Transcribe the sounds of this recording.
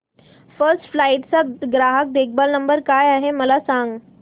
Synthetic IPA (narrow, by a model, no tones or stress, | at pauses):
fəɾsʈflaiʈt͡saɡɾaɦək̚d̪ek̚ʰbalnəmbəɾkajaɦeməlasãŋɡ